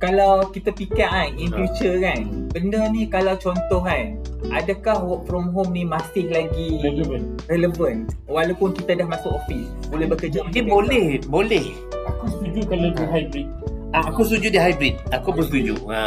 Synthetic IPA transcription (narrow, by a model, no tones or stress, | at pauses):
kalawkit̪apikaʔaninfjut͡ʃəkanbəndənĩkalawt͡ʃɔnt̪ɔɦanadakahwɔʔ̚fɾɔmɦomnĩmast̪ɪk̚laɡiləvənrɛləvənwalawpʊnkit̪adahmasʊkofisbolɛhbəkəd͡ʒaɡibolɛhbolɛh | akust̪ud͡ʒuʔkaladiɦajbɾit̪̚aakust̪ud͡ʒuʔdiɦajbɾit̪̚akubəst̪ud͡ʒṵʔa